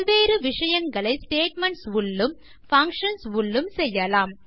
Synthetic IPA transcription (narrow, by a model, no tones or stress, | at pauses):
ʋeːɾɯʋɪʂɐjɐŋɡɐɭɐɪsʈeːʈ̚mɐɳʈsʋʊlːɯm | fɐŋkʂɐnsʋʊɭːɯmsɛjːɐlaːm